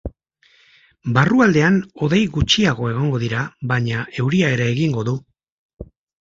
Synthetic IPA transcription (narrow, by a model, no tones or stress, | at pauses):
baruald̪e̞ano̞ðejɣut͡ʃiaɣ̞o̞e̞ɣ̞o̞ŋɡo̞ðiɾaβaɲae̞wɾiae̞ɾe̞ːɣiŋɡo̞ðu